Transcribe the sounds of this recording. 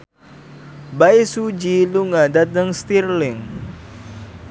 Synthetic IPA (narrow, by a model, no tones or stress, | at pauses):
baisud͡ʒiluŋadad̪əŋst̪irlɪŋ